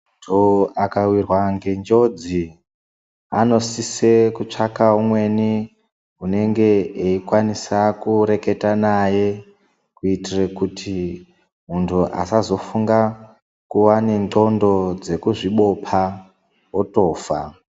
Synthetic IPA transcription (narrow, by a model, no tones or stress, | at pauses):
doakawirwaŋɡe̞nd͡ʒo̞d͡zi | a̰no̞sise̞kut͡ʂakaumwe̞ni | ɦune̞ŋɡe̞eikwanisakuɾe̞ke̞tanaje̞ | kuitirekutʰi | muntʰuʔa̰sazo̞fuŋɡa | kuwane̞ndo̞ndo̞d͡ze̞kuʐiɓo̞pʰa | woto̞ːfa